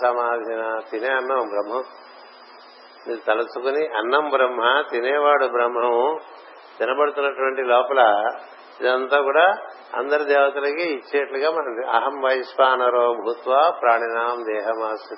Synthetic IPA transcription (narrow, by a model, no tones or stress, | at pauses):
sɐmaːd̪ʱinɐt̪ineːɐnːɐmbɾɐmɦɐm | niːut̪ɐlusukuniʔɐnːɐmbɾɐmɦɐt̪inɛːʋaːɽubɾɐmɦɐm | d͡ʒ̪ɐnɐbɐɽut̪unːɐʈuʋɐɳʈilɔːpɐlɐ | id̪ɐnt̪aːkuːɽaː | ɐ̰nd̪ɐɾɐd̪ɛːʋɐt̪ulɐkiit͡ʃːinɐʈluɡaːmɐnɐɐ̰ɦɐmʋɐjisʋaːnɐɾoːbʱuːt̪ʋaːpɾaːɳinaːmd̪ɛːɦɐmaːsu